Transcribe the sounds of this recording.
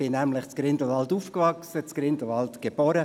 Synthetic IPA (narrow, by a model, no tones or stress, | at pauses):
ɪnæmlɪχt͡skɾɪndl̩vɑlt̪uːfkvɑksət͡skɾɪnd̥̪l̩vɑlt̪ɡ̥eb̥ɔːɾə